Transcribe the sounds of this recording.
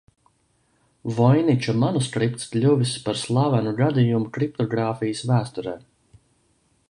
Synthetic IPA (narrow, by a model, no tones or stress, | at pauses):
vɔjnit͡ʃumanuskɾip̚t̪sklʲuvispaɾslˠaːvanuɡad̪ijumukɾip̚t̪ɔɡɾaːfijəsvæːst̪uɾɛː